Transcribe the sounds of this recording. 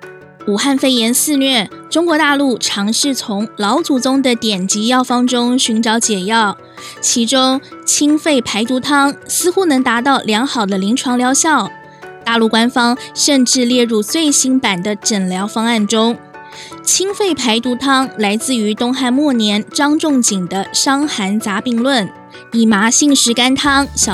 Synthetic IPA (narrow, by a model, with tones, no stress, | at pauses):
u˨˩xa˥˩nfe˥˩ɪjɛ˧˥nsɹ̩˥˧nɥɛ˥˩ʈ͡ʂʊ˥ŋkwɔ˧˥t̪a˥˧lu˥˩ʈ͡ʂʰɑ˧˥ŋʂɻ̩˥˩t͡sʰʊ˧˥ŋlɑ˧˥ʊt͡su˨˩t͡sʊ˥ŋd̪ə˨t̪jɛ˨˩nt͡ɕi˧˥jɑ˥˩ʊfɑ˥ŋʈ͡ʂʊ˥ŋɕy˧˥nʈ͡ʂɑ˧˥ʊt͡ɕjɛ˨˩jɑ˥˩ʊ | t͡ɕʰi˧˥ʈ͡ʂʊ˥ŋt͡ɕʰi˥ŋfe˥˩ɪpʰa˧˥ɪt̪u˧˥t̪ʰɑ˥ŋsɹ̩˥xu˥nɤ˧˥ŋt̪a˧˥t̪ɑ˥˩ʊljɑ˧˥ŋxɑ˨˩ʊd̪ə˦li˧˥ŋʈ͡ʂʰwɑ˧˥ŋljɑ˧˥ʊɕjɑ˥˩ʊ | t̪a˥˧lu˥˩kwa˥nfɑ˥ŋʂə˥˧nʈ͡ʂɻ̩˥˧ljɛ˥˧ɻu˥˧t͡swe˥˩ɪɕi˥npa˨˩nd̪ə˦ʈ͡ʂə˨˩nljɑ˧˥ʊfɑ˥ŋa˥˩nʈ͡ʂʊ˥ŋ | t͡ɕʰi˥ŋfe˥˩ɪpʰa˧˥ɪt̪u˧˥t̪ʰɑ˥ŋla˧˥ɪt͡sɹ̩˥˩y˧˥t̪ʊ˥ŋxa˥˧nmwɔ˥˩njɛ˧˥nʈ͡ʂɑ˥ŋʈ͡ʂʊ˥˩ŋt͡ɕi˨˩ŋd̪ə˦ʂɑ˥ŋxa˧˥nt͡sa˧˥pi˥˧ŋlwə˥˩n | i˨˩ma˧˥ɕi˥˧ŋʂɻ̩˧˥ka˥nt̪ʰɑ˥ŋɕjɑ˨˩